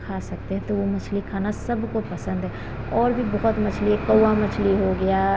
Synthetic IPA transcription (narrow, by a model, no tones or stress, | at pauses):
kʰaːsɐk̚t̪eɦɛ̃t̪oʋomɐt͡ʃʰlikʰaːnasɐbkopɐsə̃nd̪ɦɛ | ɔːɾbʱibɔɦʊt̪mɐt͡ʃʰliɛkɐwamɐt͡ʃʰliɦoɡɐja